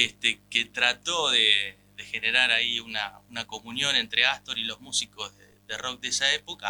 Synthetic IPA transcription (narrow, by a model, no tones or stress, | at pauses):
est̪eket̪ɾat̪o̞ðe | ðexe̞ne̞ɾaɾaiunaunako̞munjo̞ne̞nt̪ɾeast̪oɾilo̞zmusiko̞zðeðero̞k̚d̪eesaepo̞ka